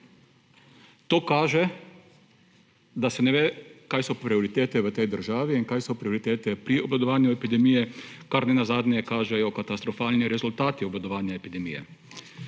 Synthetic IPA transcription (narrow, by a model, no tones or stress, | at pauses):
t̪oːkaːʒɛ | d̪asɛnɛʋeːkaːjsɔpɾioɾit̪eːt̪ɛʋət̪ɛjd̪əɾʒaːʋiinkaːjsɔpɾioɾit̪eːt̪ɛpɾioblad̪ɔʋaːnjuɛpid̪ɛmijɛkaɾnɛnazaːd̪nɛɛkaːʒɛjɔkat̪ast̪ɾɔfaːlniɾɛzult̪aːt̪iɔbad̪ɔʋaːnjaepid̪ɛmḭjɛ̰